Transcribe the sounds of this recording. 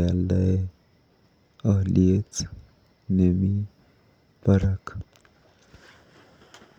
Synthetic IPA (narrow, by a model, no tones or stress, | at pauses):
aldəe | əɦlʔiet͡s | nemi | pəɾak